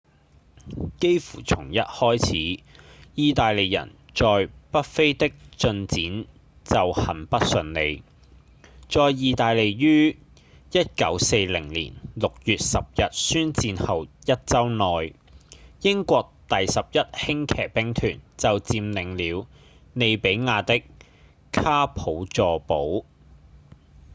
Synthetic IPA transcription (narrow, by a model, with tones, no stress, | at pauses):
ke˥jfṵː˨˩t͡sʰʊ˨˩ŋjɐ˥t̚hɔː˥jt͡sʰiː˨˥jiː˨˧t̪aː˨jle˨˩jjɐ̰˨˩n | t͡sɔː˨jpɐ˥t̚fe˥jt̪ɪ˥k̚t͡sɵ˧nt͡siː˨˥n | t͡sɐ˨whɐ˨˩npɐ˥t̚sɵ˨˧nne˨˧j | t͡sɔː˨˧jiː˨˧t̪aː˨jle˨jjyː˥ | jɐ˥t̚kɐ̰˨˥wse˧jlɪ˨˩ŋlḭː˨˩nlʊ˨k̚jyː˨t̚sɐ˨p̚jɐ˨t̚syː˥nt͡siː˧nhɐ˨wjɐ˥t̚t͡sɐ˥wnɔː˨j | jɪ˥ŋkʷɔː˧k̚t̪ɐ˨jsɐ˨p̚jɐ˥t̚hɪ˥ŋkʰɛː˨˩k̚pɪ˥ŋt̪ʰyː˨˩nt͡sɐ˨wt͡siː˧mnɪ˨ŋliː˨˧w | ne˨˧jpe˨˥jŋaː˨˧t̪ɪ˥k | kʰaː˥pʰo˨˥wt͡sɔː˧po˨˥w